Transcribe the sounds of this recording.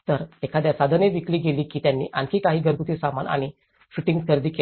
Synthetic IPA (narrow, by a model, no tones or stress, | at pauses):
t̪əɾekʰad̪jasad̪ʱəneʋikliːɡeliːkiːt̪janːḭːʔankʰikaɦiːɡʱəɾkut̪iːsama̰nʔa̰ɽ̃i | ɕuʈiŋɡkʰəɾd̪iːkel